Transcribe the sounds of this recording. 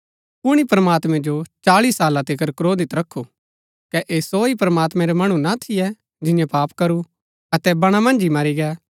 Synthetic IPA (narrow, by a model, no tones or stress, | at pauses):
pʊɽ̃ipɾɐmaːt̪mɛ̃d͡ʒot͡ʃaːliːsːaːlat̪ɪkəɾkɾoːd̪ɪt̪ɾɐkʰːu | kɛʔeːsoːipɾɐmaːt̪mɛ̃ɾɛmɐɽ̃ũnat̪ʰɪjɛ | d͡ʒɪjɛ̃paːpkɐɾu | ɐt̪ɛbɐɽ̃amɐ̃nd͡ʒimɐɾiɡɛː